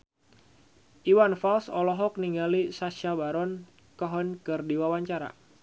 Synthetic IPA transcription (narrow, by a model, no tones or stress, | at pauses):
ʔiwanfalsɔlɔɦɔk̚niŋɡalisaʃabaɾɔn | kaɦɔnkɨrdiwawaɲt͡ʃaɾa̰